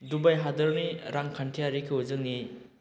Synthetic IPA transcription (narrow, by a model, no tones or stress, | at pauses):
dubajɦadɐɾniɾaŋkʰantʰijaɾikʰiuzɯŋni